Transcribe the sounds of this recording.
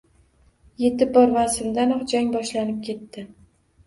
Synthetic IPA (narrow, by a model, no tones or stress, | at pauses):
je̞t̪ɪp̚bɒɾvasɪmd̪anɒχd͡ʒaŋbɒʃlanɪp̚kʲʰe̞t̪ːɪ